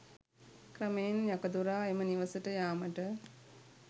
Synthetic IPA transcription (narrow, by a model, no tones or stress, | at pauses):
krəmejenjakəd̪uɾaːeməniʋəsəʈəjaːməʈə